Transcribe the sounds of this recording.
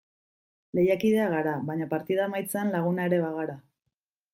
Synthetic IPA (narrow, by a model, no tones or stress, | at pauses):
le̞jakiðe̞aɣaɾaβaɲapaɾt̪ið̞amajt͡seanlaɣ̞unae̞ɾe̞βaɣaɾa